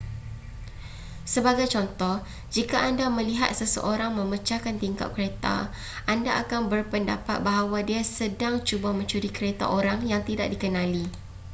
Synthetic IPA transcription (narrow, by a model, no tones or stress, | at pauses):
səbaɡajt͡ʃɔnt̪ɔh | d͡ʒikaʔandamə̃liɦa̰t̪̚səsə̰ʔoɾaŋmə̃mət͡ʃakant̪iŋka̰t̪̚kəɾet̪a̰ | ʔandaʔakanbərpənda̰pat̪̚baɦawadiasədaŋt͡ʃubamə̃ɲt͡ʃuɾikəɾet̪a̰ʔoɾaŋjaŋt̪ida̰ʔ̚dikənãli